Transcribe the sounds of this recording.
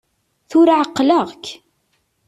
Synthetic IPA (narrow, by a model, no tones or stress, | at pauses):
θʊɾaʕəqːləʁk